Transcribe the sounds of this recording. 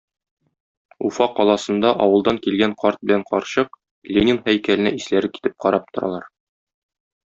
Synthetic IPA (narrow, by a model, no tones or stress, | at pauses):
ufɑqːɒlˠɑsɤ̆nd̪ɑʔɒwɤ̆lˠd̪ɑŋkilɡæɴqɑɾt̪̚bɘ̆læɴqɒɾɕɤq | lʲenʲɪnhæjkælɘ̆næʔislæɾɘki̥t̪ɘp̚qɒɾɑp̚t̪ŏɾɑ̰lˠɑɾ